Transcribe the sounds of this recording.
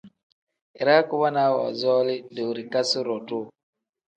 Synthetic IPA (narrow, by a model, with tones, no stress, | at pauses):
i˨ɾa˦ku˦βa˦na˨˦wɔ̰˨zɔː˦lɪ˦du˨ɾi˨ka˦si˦ɾɔ˨tu˦